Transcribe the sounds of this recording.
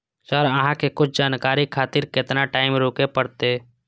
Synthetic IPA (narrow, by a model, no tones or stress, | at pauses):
sɔɾɐɦãkekʊt͡ʃʰd͡ʒaːnkaːɾikʰaːt̪ɪɾkɪt̪naʈaːɪmɾoːkepəɽt̪e